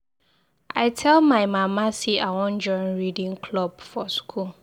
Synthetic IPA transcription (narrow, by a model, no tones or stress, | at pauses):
ʔaɪtʰɛlmãɪmãmãsiʔawɔ̃nd͡ʒɔnɹidĩŋkʰlɔb̚fɔskʰul